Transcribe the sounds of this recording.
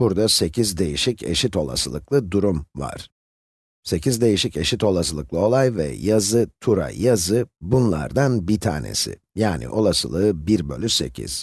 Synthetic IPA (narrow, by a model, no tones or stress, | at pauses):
buɾd̪ase̞cʰizd̪e̞jiʃicʰe̞̰ʃit̪o̞lˠa̰sɯlˠɯklˠɯd̪uɾumva̰ɾ̥ | se̞cʰizd̪e̞jiʃice̞ʃit̪o̞lˠasɯlˠɯklˠɯo̞lˠajvɛ̰jazɯt̪ʰuɾa̰jazɯbunlˠa̰ɾd̪anbit̪ʰa̰ːne̞̰sɪ̰ | jaːnḭʔo̞lˠasɯ̰lˠɯːbiɾbø̞lʲyse̞̰cʰḭz̥